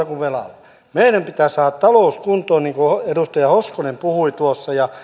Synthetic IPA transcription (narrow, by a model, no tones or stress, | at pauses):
ɑkuʋʋelɑ̰lː | meinæmpit̪æsɑːt̪t̪ɑloˑuskunt̪ˑoːniːŋkoedust̪ɑjɑhoskonempuhuit̪uosːɑjɑ